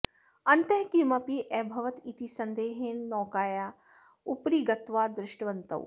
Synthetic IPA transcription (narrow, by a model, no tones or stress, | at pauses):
ɐnt̪ɐɦkimɐpiʔɛːbʱɐʋɐt̪it̪isɐnd̪eːɦeːnːɔːkaːjaː | upɾiːɡɐt̪ʋaːd̪ɾɪʃʈʋɐnt̪ɐ̰w